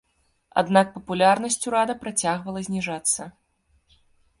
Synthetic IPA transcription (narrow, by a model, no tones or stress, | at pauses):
a̰d̪nak̚pɐpulʲarnɐsʲt͡sʲuɾad̪ɐpɾat͡sʲaɣvɐlˠɐzʲnʲiʐat̪sːɐ